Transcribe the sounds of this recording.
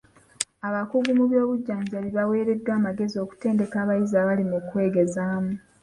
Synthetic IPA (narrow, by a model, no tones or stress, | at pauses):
aβakuɡumuβjo̞ːβuɟːaːɲɟaβiβawe̞ːɾe̞dːwaːmaɡe̞zio̞ku̥te̞ːnde̞kaːβajizaːβalimukwe̞ːɡe̞zaːmu